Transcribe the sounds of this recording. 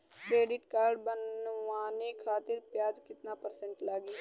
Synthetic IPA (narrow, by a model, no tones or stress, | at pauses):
kɾeːɖɪʈkaːɾɖbənwanekʰaːt̪ɪɾpjaːd͡ʒkɪt̪napəɾsẽɳʈlaːɡi